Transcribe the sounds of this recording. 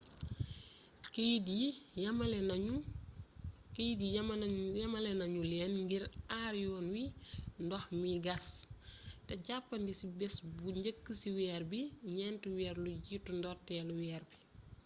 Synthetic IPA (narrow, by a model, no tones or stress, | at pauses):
kdiɐmɐlɛu | kejdijɐmɐlɛnɐɲulɛːnŋɡiɾaːɾjɔnwindɔxmiɡɐs | tɛɟapːɐndisibɛsbuɲɟəkːəsiwɛːrbiɲɛntuwɛːrlujitːundɔrtɛːluwɛːrbi